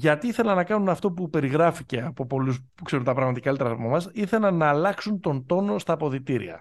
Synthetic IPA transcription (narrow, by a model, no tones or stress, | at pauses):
ʝɐt̪iiθe̞lɐnɐkɐnunɐft̪o̞pupe̞ɾiɣɾɐfice̞ɐpo̞po̞lus | kse̞ɾumt̪ɐpɾɐɣmɐt̪ikɐlet̪ɾɐomɐmɐsiθe̞lɐnɐːlɐksunt̪o̞nt̪o̞no̞st̪ɐːpo̞ðit̪iɾḭɐ̰